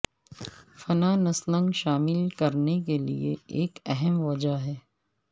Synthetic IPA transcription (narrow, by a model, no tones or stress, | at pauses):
fɐnanɐslə̃ŋɡʃaːmɪlkɐɾnekelḭeeːkɛɦɛmʋɐd͡ʒaɦɛː